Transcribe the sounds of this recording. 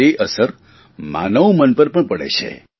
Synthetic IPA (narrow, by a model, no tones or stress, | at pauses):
eʔəsəɾ | ma̰nəʋmənpəɾpəɳpəɽḛt͡ʃʰḛ